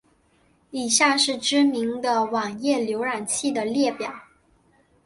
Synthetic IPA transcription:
i˨˩ɕja˥˧ʂɻ̩˥˩ʈ͡ʂɻ̩˥mi˧˥ŋd̪ə˧wɑ˨˩ŋjɛ˥˩ljo˧˥ʊɻa˨˩nt͡ɕʰi˥˩d̪ə˩ljɛ˥˩pjɑ˨˩˦ʊ

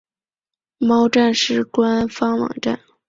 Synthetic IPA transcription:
mɑ˥ʊʈ͡ʂa˥˧nʂɻ̩˥˩kwa˥nfɑ˥ŋwɑ̰˨˩ŋʈ͡ʂa̰˥˩n

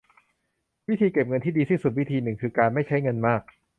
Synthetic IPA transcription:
wi˦˥t̪ʰiː˧ke˨˩p̚ŋɤ˧nt̪ʰiː˥˩diː˧iː˥˩su˨˩t̪̚wi˦˥t̪ʰiː˧nɯ˨˩ŋkʰɯː˧kaː˧nma˥˩jt͡ɕʰa˦˥jŋɤ˧nmaː˥˩k̚

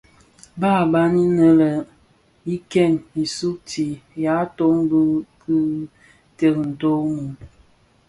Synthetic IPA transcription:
ba˦˨ba˦ni˦nə˦lə˨ | i˦kɛ˦˨ni˨su˦k̚ti˨ja˨˦to˦ŋbə˦kɨ˦ | tə˨kn̩˨to˦mu˨m

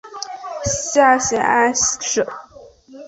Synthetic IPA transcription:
ɕa˥˩ɕjɛ̰˧˥na˥nʂə˨˩˦

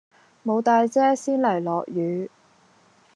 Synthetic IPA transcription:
mo˨˧wt̪aː˧jt͡sɛː˥siː˥nlɐ˨˩jlɔː˨k̚jyː˨˧

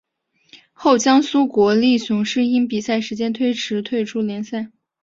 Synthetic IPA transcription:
xo˥˩ʊt͡ɕjɑ˥ŋsu˥kwɔ˧˥li˥˩ɕʊ˧˥ŋʂɻ̩˥˩i˥npi˨˩sa˥˩ɪʂɻ̩˧˥t͡ɕjɛ˥nt̪ʰwe˥ɪʈ͡ʂʰɻ̩˧˥t̪ʰwe˥˩ɪʈ͡ʂʰu˥ljɛ˧˥nsa˥˩ɪ

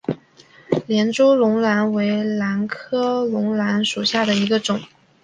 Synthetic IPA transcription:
ljɛ˧˥nʈ͡ʂu˥lʊ˧˥ŋla˧˥nwe˧˥ɪla˧˥nkʰɤ˥lʊ˧˥ŋla˧˥nʂu˨˩ɕja˥˩d̪ə˩i˧˥ɡə˧ʈ͡ʂʊ˨˩˦ŋ

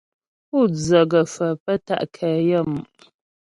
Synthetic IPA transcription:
u˦˨d͡zə˨ɡə˨fə˨pə˦ta̰˦˨ʔkʰə˨jə˦˨m˨

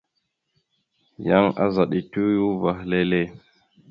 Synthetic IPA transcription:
ja˦ŋa̰˦za˨ɗi˨tu˦ju˦va˨hle˦le˦

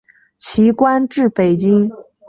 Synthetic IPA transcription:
t͡ɕʰi˧˥kwa˥nʈ͡ʂɻ̩˥˩pe˨˩ɪt͡ɕi˥ŋ

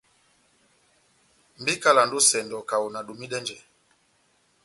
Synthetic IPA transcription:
mbi˦ka˦˨la˨ndu˦sɛ˨ndɔ˨ka˨u˨na˨ɗu˨mi˦ɗɛ˦nd͡ʒɛ˨

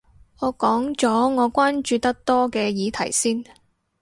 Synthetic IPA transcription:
ŋɔː˨˧kɔː˨˥ŋt͡sɔː˨˥ŋɔː˨˧kʷaː˥nt͡ʃyː˨˧t̪ɐ˥k̚t̪ɔː˥kɛː˧jiː˨˧t̪ʰɐ̰˨˩jsiː˥n

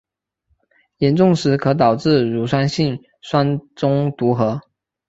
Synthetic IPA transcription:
jɛ˧˥nʈ͡ʂʊ˥˩ŋʂɻ̩˧˥kʰɤ˧˥t̪ɑ˨˩ʊʈ͡ʂɻ̩˥˩ɻu˨˥˩swa˥nɕi˥˩ŋ | swa˥nʈ͡ʂʊ˥ŋt̪u˧˥xɤ˧˥˦

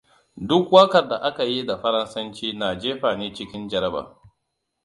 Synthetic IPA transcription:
dʊ˦kwɐ˦kɐ˨rda˨ʔa˦ka˨ji˦da˨ɸɐ˦ɾɐ˦nsɐ˦nt͡ʃiː˦naː˨d͡ʒeː˦ɸaː˨neː˦t͡ʃɪ˦kʲɪ˦nd͡ʒɐ˨ɾɐ˦ba̰ː˨

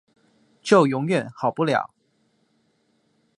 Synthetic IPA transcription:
t͡ɕjo˥˨˩ʊjʊ˧˥ŋɥɛ˨˩˦nxɑ˨˩ʊpu˥˨ljɑ̰˨˩˦ʊ

